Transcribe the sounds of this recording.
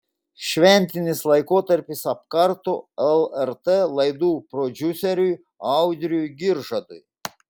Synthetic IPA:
ʃʲʋʲɛnʲt̪ʲɪnʲɪslˠɐɪkoːt̪ɐɾʲpʲɪsɐp̚kɐɾt̪oɛlˠɛɾt̪elˠɐjd̪uːpɾɔd͡ʒ̪ʲʊsʲɛɾʲʊj | ɑʊd̪ʲɾʲʊjɡʲɪɾʒɐd̪ʊj

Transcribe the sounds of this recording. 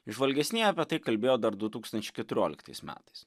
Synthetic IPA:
ʒʋɐlʲɡʲɛsʲnʲejɐpʲiɛt̪ɐɪkɐlʲbʲeːjoːd̪ɐɾd̪ʊt̪uːkst̪ɐnʲt͡ʃʲɛɪkʲɛt̪ʊɾʲoːlʲɪ̰kt̪ɐ̰ɪsmʲæ̰ːt̪ɐɪs

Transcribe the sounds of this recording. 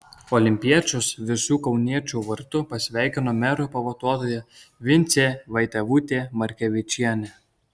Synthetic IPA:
ɔːlʲɪmʲpʲiɛt͡ʃʲosʋʲɪsʲuːkɒʊnʲiɛt͡ʃʲuːʋɐɾt̪ʊpɐsʲʋʲæˑɪkʲɪnoːmʲɛɾoːpɐʋoːt̪uɔt̪oːjɛʋʲɪnʲt̪sʲeːʋɐɪt̪ʲɛʋuːt̪ʲeːmɐɾʲkʲɛʋʲɪt͡ʃʲiɛnʲe

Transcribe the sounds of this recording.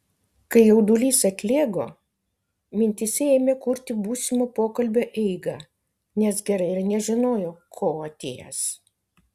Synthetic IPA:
kɐɪjɛʊd̪ulʲiːsɐt̪ʲlʲeːɡo̰ː | mʲɪnʲt̪ʲɪsʲɛeːmʲeːkʊɾʲt̪ʲɪbuːsʲɪmoːpoːkɐlʲbʲoːʔɛɪɡɐː | nʲɛsɡʲɛɾɐɪɪɾnʲɛʒʲɪnoːjoːkʰoːɐt̪ʲeːjɛ̰s

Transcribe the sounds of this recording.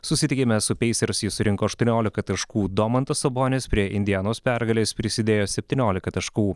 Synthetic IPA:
sʊsʲɪt̪ʲɪkʲɪmʲɛsʊpʲɛɪsʲɛɾʊsʲjɪsʊɾʲɪŋkoːɐʃt̪uɔnʲoːlʲɪkɐt̪ɐʃkuːd̪omɐnt̪ɐsɐboːnʲeːspʲɾʲiɛʔɪnʲd̪ʲɪjænoːspʲæɾɡɐlʲeːspʲɾʲɪsʲɪd̪ʲeːjoːsʲɛpʲt̪ʲiːnʲoːlʲɪkɐt̪ɐʃkuː

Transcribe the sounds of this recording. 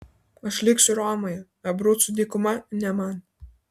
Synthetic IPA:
ɐʃlʲɪksʲʊɾɑːmɔjɛ | ɐbɾut̪sʊd̪ʲiːkʊmɐnʲɛmɑn

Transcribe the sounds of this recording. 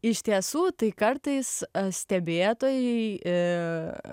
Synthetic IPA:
ɪʃʲt̪ʲiɛsuːt̪ɐɪkɐrt̪ɐɪssʲt̪ʲɛbʲeːt̪oːjɛɪ

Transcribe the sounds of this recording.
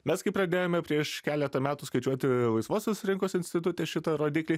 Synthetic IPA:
mʲɛskɐɪpɾɐd̪ʲeːjoːmʲɛpʲɾʲiɛʃkʲæːlʲɛt̪ɐmʲæːt̪uːskɐɪt͡ʃʲuɔt̪ʲɪlˠɐɪsʋoːsʲoːsɾʲɪŋkoːsɪnʲsʲt̪ʲɪt̪ʊt̪ʲɛʃʲɪt̪ɐɾoːd̪ʲiːklʲiː

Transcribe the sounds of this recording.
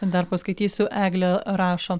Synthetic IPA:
d̪ɐɾpɐskɐɪt̪ʲiːsʲuʔæːɡlʲɛɾɑːʃoː

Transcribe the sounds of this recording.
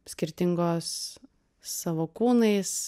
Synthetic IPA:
sʲkʲɪɾʲt̪ʲɪŋɡoːsː | ɐʋoːkuːnɐɪs

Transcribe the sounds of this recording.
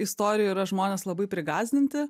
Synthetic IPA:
ɪst̪oːɾʲɪjɛːiːɾɐʒmoːnʲeːslˠɐbɐɪpʲɾʲɪɡɑːzʲd̪ʲɪnʲt̪ʲɪ

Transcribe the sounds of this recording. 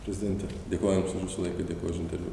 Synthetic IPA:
pʲɾʲɛzʲɪd̪ʲɛnʲt̪ʲɛ | d̪ʲeːkoːjmsʊʃʲʋʲɪsɐlˠɐɪkɐd̪ʲeːkoːjʊʃɪnʲt̪ʲɛɾʲʋʲṵ

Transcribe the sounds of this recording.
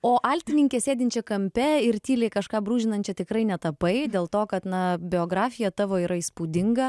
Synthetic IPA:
oːʔɑlʲt̪ʲɪnʲɪŋʲkʲesʲeːd̪ʲɪnʲt͡ʃʲɛkɐmʲpʲɛɪɾt̪ʲiːlʲɛɪkɐʃkɑːbɾuːʒʲɪnɐnʲt͡ʃʲɛt̪ʲɪkɾɐɪnʲɛt̪ɐpɐɪd̪ʲeːlˠt̪oːkɐt̪nɐbʲɪoːɡɾɑːfʲɪjɛt̪ɑːʋoːiːɾɐiːspuːd̪ʲɪŋɡɐ

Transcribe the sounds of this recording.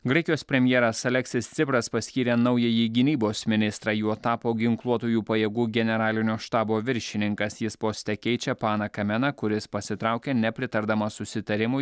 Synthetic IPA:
ɡɾɐɪkʲɪjoːspʲɾʲɛmʲjɛːɾɐsɐlʲɛksʲɪst̪sʲɪpɾɐspɐsʲkʲiːɾʲeːnɐʊjɛjiɡʲɪnʲiːboːsmʲɪnʲɪst̪ɾɐːjuːt̪ɑːpoːɡʲɪŋklˠuɔt̪oːjuːpɐjeːɡuːɡʲɛnʲɛɾɑːlʲɪnʲoːʃt̪ɑːboːʋʲɪɾʲʃʲɪnʲɪŋkɐsjɪspoːsʲt̪ʲɛkʲɛɪt͡ʃʲɛpɑːnɐkɐmʲɛnɐkʊɾʲɪspɐsʲɪt̪ɾɑˑʊkʲeːnʲɛpʲɾʲɪt̪ɐɾd̪ɐmɐsʊsʲɪt̪ɐɾʲɪmʊ

